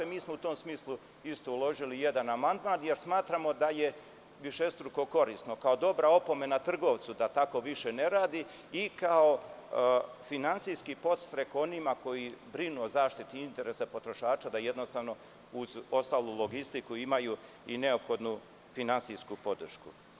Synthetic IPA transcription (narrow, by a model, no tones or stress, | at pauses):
miːsmout̪oːmsmiːslu | ist̪oulˠo̞ʒilije̞d̪anamand̪mant̪je̞ɾsmaːt̪ɾamo̞d̪aje̞ | ʋiʃe̞st̪ɾuko̞ko̞ɾiːsno̞kao̞d̪o̞bɾao̞po̞me̞nat̪r̩ɡo̞ʋt̪sud̪at̪ako̞ʋiʃe̞ne̞ɾaːd̪i | ikao | finantsijskipo̞t̪st̪ɾeko̞nimako̞jibɾinuozaːʃt̪it̪iint̪e̞ɾesapo̞t̪ɾo̞ʃaːt͡ʃad̪aje̞d̪no̞st̪aːʋno̞ | uzo̞st̪aːlulˠo̞ɡist̪ikuimaju | ine̞o̞pxo̞d̪nu | finansijskupo̞d̪r̩ʃku